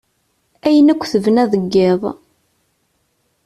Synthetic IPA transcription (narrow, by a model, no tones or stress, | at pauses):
æjənækʷːθəvnæðəɡːeðˤ